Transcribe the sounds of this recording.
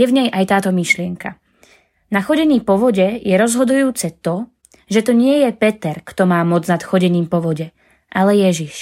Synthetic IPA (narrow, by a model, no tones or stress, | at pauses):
jɛvɲɛjʔajt̪aːt̪ɔmiʃlɪɛŋka | naxɔɟɛɲiːpɔʋɔɟɛjɛɾɔzɦɔd̪ujuːt͡sɛt̪ɔ | ʒɛt̪ɔɲɪɛjɛpɛt̪ɛɾkt̪ɔmaːmɔd͡znat̪xɔɟɛɲiːmpɔʋɔɟɛ | ʔalɛjɛʒiʃ